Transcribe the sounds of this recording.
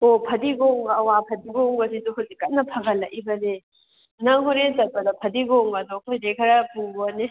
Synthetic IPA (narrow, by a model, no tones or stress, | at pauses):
opʰɐdiɡoŋbɐːwapʰɐdiɡoŋbɐsiduɦozikːɐt̚nɐpʰɐɡɐlːɐʔibɐne | nɐŋɦuɾezɐt̚pɐdɐpʰɐdiɡoŋbɐdɔɐkʰojdekʰɐɾɐpuŋbone